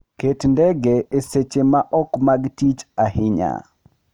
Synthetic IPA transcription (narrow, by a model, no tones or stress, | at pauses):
ketndɛɡeeset͡ʃemaʔɔkmaɡtit͡ʃahɪɲa̰